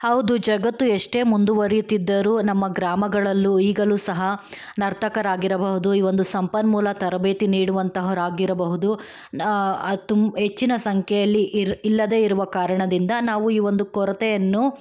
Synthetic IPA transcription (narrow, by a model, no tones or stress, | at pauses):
hɐwd̪ud͡ʒɐɡɐt̪ːueʂʈe̞ːmund̪uʋɐɾijut̪ːid̪ːɐɾuːnɐmːɐɡɾaːmɐɡɐɭɐlːuiːɡɐluːsɐɦɐ | nɐɾt̪ʰɐkɐɾaːɡiɾɐbɐɦud̪uiːʋo̞nd̪usɐmpɐnmuːlɐt̪ɐɾɐbeːt̪iniːɽuʋɐnt̪ɐɦɐɾaːɡiɾɐbɐɦud̪u | t̪met͡ʃːinɐsɐŋkʰɛjɐlːiʔilːɐd̪e̞ːiɾuʋɐkaːɾɐɳɐd̪ind̪ɐnaːʋuiːʋo̞nd̪ukɔɾɐt̪ɛjɐnːu